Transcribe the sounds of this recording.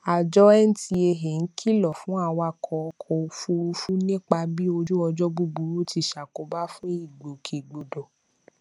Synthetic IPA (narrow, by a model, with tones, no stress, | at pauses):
a˨d͡ʒɔ˦ɛ˦n̩˦ti˧e˧ɦe˨n̩˦kʰi˦˨lɔ˨fũ˨˦a˦˨wa˧˨kʰɔ˨˦˧kʰɔ˨˧fu˧˦u˧˦fu˦nĩ˦k͡pa˧bi˦o˧d͡ʒu˦ɔ˧d͡ʒɔ˦ɡ͡bu˦ɡ͡bu˧ɾu˦ti˧ʃa˨ko˨ba˦fũ˦i˦˨ɡ͡bo˨kʰe˨ɡ͡bo˨do˨